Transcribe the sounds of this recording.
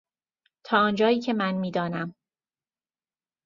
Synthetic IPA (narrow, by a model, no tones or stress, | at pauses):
t̪ʰɒːɒːnd͡ʒɒːjiːcʰemænmiːd̪ɒːnæm